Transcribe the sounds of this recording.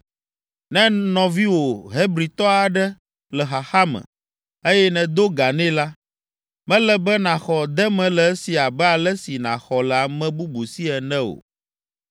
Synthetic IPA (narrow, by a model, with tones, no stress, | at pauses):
nɛ̃˦nɔ̃˨vi˦wo˨ɦe˦bɾi˨t̪ɔ˦a˨ɖɛ˦ | lɛ˨ɦa˨xa˦mɛ̰̃˨ | e˦jɛ˦nɛ̃˨d̪o˦ɡa˨nɛ̃˦la˦ | mɛ̃˦lɛ˦bɛ˦nã˨xɔ˨d̪ɛ˦mɛ̃˨˦lɛ˨ɛ˦si˨a˨bɛ˦a˨lɛ˦si˨nã̰˨xɔ˨lɛ˨a˨mɛ̃˨bu˦bu˨si˦ɛ˨nɛ̃˦o̰˨